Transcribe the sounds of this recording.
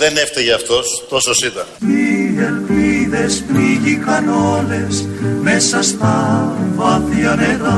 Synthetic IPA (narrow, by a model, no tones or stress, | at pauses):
ðeneft̪eʝeɐft̪o̞st̪o̞sosit̪ɐnielpiðe̞spɾiʝikɐno̞le̞smesɐst̪ɐvɐθiɐneɾɐ